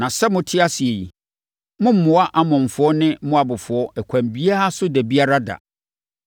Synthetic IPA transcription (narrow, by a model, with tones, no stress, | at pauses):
nã˨sɛ˦mʊ̃˨tʰɪ˦a˦si˨e˨ji˨ | mʊ̃˦m̩˦mːʊ̃˨a˦ʔa˦mʊ̃˨m̩˨fʊ˨˦ɔ˦nɪ̃˦mʊ̃˦a˨bʊ˨fʊ˨ɔ˦ʔɛ˨kʷʰã˨mbi˦a˦a˦sʊ˦dɛ˨bi˦a˦ɾa˦da̰˨